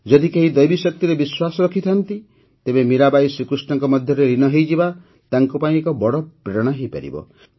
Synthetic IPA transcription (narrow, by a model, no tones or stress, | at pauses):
d͡ʒɔd̪ikeɦid̪ɔjbisɔk̚t̪iɾebiswasɔɾɔkʰit̪ʰant̪i | t̪ebemiɾabajsɾikɾisnɔŋkɔmɔd̪ʱjɔɾeɾinɔɦejd͡ʒiba | t̪aŋkɔpaĩekɔbɔɽɔpɾeɾɔɽ̃ɔɦejpa̰ɾḭbɔ̰